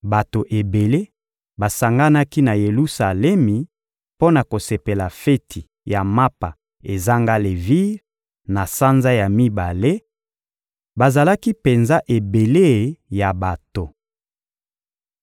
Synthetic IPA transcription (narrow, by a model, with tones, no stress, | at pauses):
ba˨to˨ʔe˨be˨le˦ | ba˨sa˨ŋɡa˦na˦ki˦na˨je˨lu˦sa˨lɛ˦mi˨ | po˦na˨ko˨se˨pe˨la˨fe˦tʰi˨ | ja˨ma˦pa̰˨ | e˨za˦ŋɡa˦le˨vi˦ʁ | na˨sa˦nza˦ja˨mi˦ba˨le˦ | ba˨za˨la˦ki˦pe˨nza˦ʔe˨be˨le˦˨ja˨ba˨to˨